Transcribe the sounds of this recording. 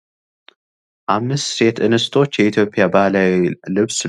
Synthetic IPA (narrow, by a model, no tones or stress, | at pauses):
ʔamɨsːe̞t̪ʔɨnɨst̪ʰo̞t͡ʃːjɛʔit̪ʰjo̞pʰʼːjabahlawilɨβs